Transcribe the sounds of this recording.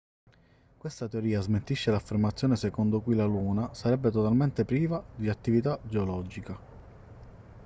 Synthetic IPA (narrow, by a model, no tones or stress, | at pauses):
kwest̪at̪eoɾiːazment̪iʃːelafːermat̪sːjoːnesekond̪okuilaluːnasaɾɛbːet̪ot̪alment̪epɾiːvad̪iat̪ːivit̪ad͡ʒeolɔd͡ʒika